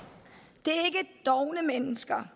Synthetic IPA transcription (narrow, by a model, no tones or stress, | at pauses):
d̥e̝æɐe̝ɡəd̥ɒʊnəmenəsɡ̥ɐ